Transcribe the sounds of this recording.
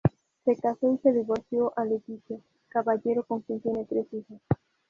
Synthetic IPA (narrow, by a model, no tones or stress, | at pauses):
sekasowseðeβoθjoʔalet̪iθja | kaβaʎeɾokoŋkint̪jenet̪ɾesixos